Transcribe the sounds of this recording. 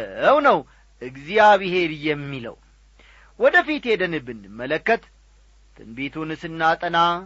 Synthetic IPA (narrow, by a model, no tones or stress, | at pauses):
əwnəw | ʔɨɡzijaβɨhe̞ɾjɛmːilə̰w | wɔd̪əfit̪jɛd̪ənɨbɨnːɨmːələkːət̪ | t̪ʰʼɨ̰nbet̪ʰunɨsɨnːat̪ʼəna